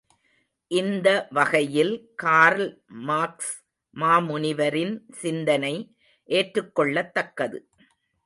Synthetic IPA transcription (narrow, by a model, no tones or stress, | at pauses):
ʔɪnd̪ɐʋɐɣɐjɪlkaːɾlmaːks | maːmʊɳɪʋɐɾɪnsɪnd̪ɐnɐɪ | ʔeːʈrɯkːɔɭːɐt̪ːɐkːɐðɯ